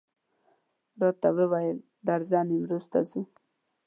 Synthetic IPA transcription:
ɾot̪ːawewajəl | d̪aɾzɑniwɾust̪a̰zu

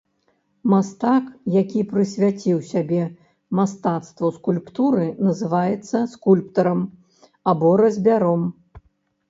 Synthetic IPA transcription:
mast̪akjakʲipɾɨsʲvʲat͡sʲiwsʲabʲɛ | mast̪at̪st̪vɐskulʲpt̪uɾɨnɐzɨvajɛt̪sːɐskulʲpt̪ɐɾɐm | abɔɾɐzʲbʲaɾɔm

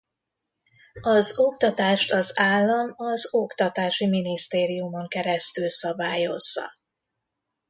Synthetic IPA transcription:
ɒzo̞kt̪ɒt̪aːʃt̪ɒzaːlːɒmɒzokt̪ɒt̪aːʃiminist̪eːɾijumo̞ŋkɛɾɛst̪ylsɒbaːjo̞zːɒ̰

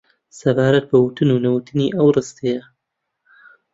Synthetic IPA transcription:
sɐbaːɾɐt̪̚bɐwʊt̪ɨnunɐwut̪ʰɨniːʔɐwrɨst̪ejɐ

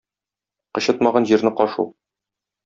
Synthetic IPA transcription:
qɤ̆ɕɤt̪mɑʁɑnʑiɾnɘqɒʃṵ

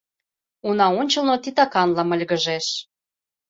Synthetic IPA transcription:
unɑonʲt͡ɕɤ̆lnot̪it̪ɑkɑnlɑmə̆lʲɣə̆ʒeʃ

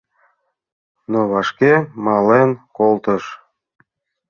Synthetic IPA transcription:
noβɑʃkemɑlenkolt̪əʃ

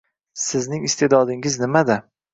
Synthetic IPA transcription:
sɪznɪŋɪst̪ed̪ɒd̪ɪŋɪznɪmad̪a

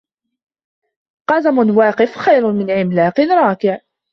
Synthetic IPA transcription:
qɑzamʊnwɑːqɪfxajɾmɪnʕɪmlaːqɪnɾˤɑːkɪʕ

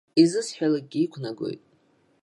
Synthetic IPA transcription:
izɨsħᶣalaɡ̚ɡʲiːkʷʰnaɡʷo̰jtʼ

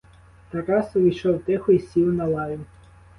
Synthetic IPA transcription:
t̪ɐɾɑsʊʋʲijʃɔwt̪ɪxʊisʲiwnɐlˠɑjʲʊ

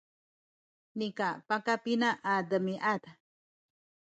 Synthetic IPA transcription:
nikapakapinaʔːd̪əmiʔat̪a

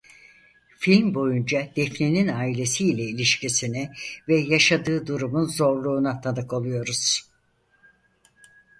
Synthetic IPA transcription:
filʲmbo̞jund͡ʒad̪̥ɛfnininaːilʲe̞siːlʲɛilʲiʃcisinivɛjaʃad̪ɯːd̪uɾumunzo̞ɾlˠuːnat̪ʰanɯko̞lˠujo̞ɾuz̥

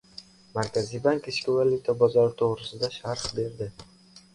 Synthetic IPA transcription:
maɾkʲʰazijbaŋkɪʃkʲɪvalʲːut̪ʰabɒzɒɾɪt̪ʰoʁɾɪsɪd̪aʃaɾqbe̞ɾd̪ɪ

